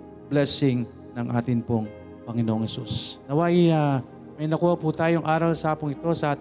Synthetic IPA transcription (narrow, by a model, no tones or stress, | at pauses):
blɛsɪŋ | nɐŋʔaːt̪ɪnpoŋ | pɐŋɪnoʔoŋhɛsusnɐwaja | mɐjnɐkuːhɐput̪aːjoŋʔaːɾɐlsaːpʊŋɪt̪o̞sɐʔaːt̪